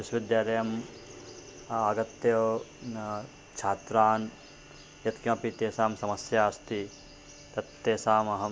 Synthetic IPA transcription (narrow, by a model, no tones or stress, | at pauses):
ʋisʋid̪jaːlɐjɐm | aːɡɐt̪jɐ | t͡ʃʰaːt̪ɾaːn | jɐt̪kjɐ̃ːpit̪eːsaːmsɐmɐsjaːst̪i | t̪ɐt̪ːeːsaːmɐɦɐ